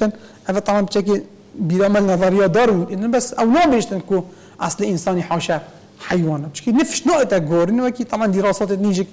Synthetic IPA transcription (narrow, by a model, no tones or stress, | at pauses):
ɨn | ʔævæt̪ˤɑbʕɑnbt͡ʃʰɛk̬e | biːɾɑːmælnæðˤɑɾijɑːd̪ɑːɾwinnbæsɛwnɑːbeːʒt̪ɨnku | ʔɑ̰sˤliʔɪnsɑːniħɑːʃɛ | ħajwɑːnɛt͡ʃkinɨfʃnɑːʔet̪ɛɡoːɾinwɛkit̪ˤɑbʕɑnd̪iːɾɑːsɑːt̪et̪̚niːʒɪk̚